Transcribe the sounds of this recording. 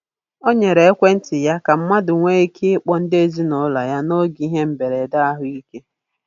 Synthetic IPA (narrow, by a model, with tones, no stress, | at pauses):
o˦ɲe˨ɾe˨e˦kʷe˦n̩˦tɪ˨ja˦ka˨m̩˦ma˦dʊ˨ŋʷe˦i˦kʰi˦k͡pɔ˨n̩˦de˦˨zi˦nɔ˨˦la˨ja˦no˦ɡi˦ɦe˦m̩˨be˨ɾe˨da˦a˦ɦʊ˦i˦ke˦